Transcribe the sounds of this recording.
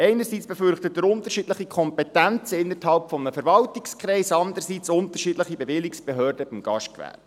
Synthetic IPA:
ɛɪnəɾsiːt͡sb̥ɛfʏrχtət̚dəɾʊnt̪əɾʃidləχikʰɔmpɛtænt͡səɪnːəthɑlpfɔmnəfɛɾvɑltikskɾɛɪsɑndəɾsiːt͡sʊnt̪ərʃiːdləχibevɪliksb̥eɦøːrdəb̥ɪmɡ̥ɑ̰ʃkvæ̰p

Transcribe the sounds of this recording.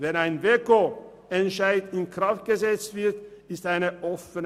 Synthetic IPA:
vɛnaɪnveko | ɛnʃaɪtɪnkʁ̥aft̚ɡ̥əzɛt͡stv̥ɪɐtɪstaɪnəʔɔfən

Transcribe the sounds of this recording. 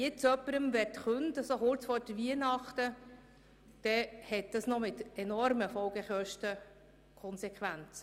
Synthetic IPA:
jɪt͡sœpːəɾəmʋɛtχʉntəsoχʊɾt͡sfɔːɾd̥əʋiənɑχt̪ə | d̥ɛhɛt̚d̥̪ɑsnɔmɪt̪ɛnɔɾməfɔlɡ̥ɛχœʃtə | kʰɔnsɛkχʋænt͡s

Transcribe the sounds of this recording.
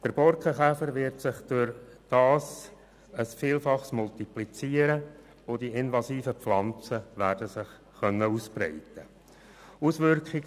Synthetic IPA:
d̥əɾb̥ɔɾkχəχæfəɾʋɪɾtsɪχd̥ʊɾd̥ɑːs | əsfiːlfɑχsmʊltiplit͡siːəɾə | ʊdiɪnvɑsiːfəpflɑnt͡səʋæːɾdəsɪχ | χœnːəuspɾɛ̰ɪtə | usʋʏɾkχiɡ

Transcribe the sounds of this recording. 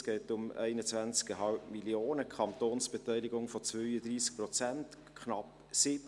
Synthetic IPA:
sɡ̥ɛːtʊmɛ̰ɪnət͡svænt͡skəɦɑlpmilioːnəkʰχɑnt̪oːnsb̥etɛɪlɪɡʊŋfɔt͡svœʏəd̪riːsk̚prɔt͡sænt | kʰχnɑp | sɪb

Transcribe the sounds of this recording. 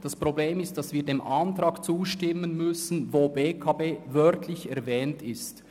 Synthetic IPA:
d̥ɑspʁobleːmɪstd̥ɑsviːɐdeːmʔɑntɾɑːkt͡suːʃtɪmənmʏsn̩voːbeːkʰɑːbeːvœʁtʰlɪçɛɐvɛːntʰɪst

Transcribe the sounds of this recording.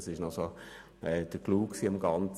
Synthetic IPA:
sɪʃnɔso | ɛd̥əkluːksiːəmɡɑnt͡s

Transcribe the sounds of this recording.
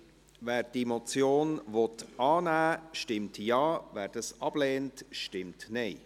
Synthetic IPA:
vɛːɾd̥emɔt͡sjoːnvɔtɑːnæːʃtɪmtjɑːvæːɾd̥ɑsɑb̥lɛːntʃtɪmtnɛɪ

